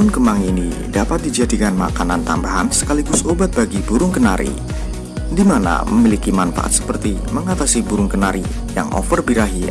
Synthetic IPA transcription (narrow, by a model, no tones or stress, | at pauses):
ʊnkəmaŋinḭ | dapat̪̚did͡ʒadikanma̰kanant̪a̰mbaɦansə̥kaliɡʊsobat̪̚baɡibuɾʊŋkənaɾḭ | dimana̰məmilikimanfa̰ʔa̰t̪̚sə̥pərt̪iməŋat̪asibuɾʊŋkənaɾi | ja̰ŋʔɔ̰fərbiɾaɦia̰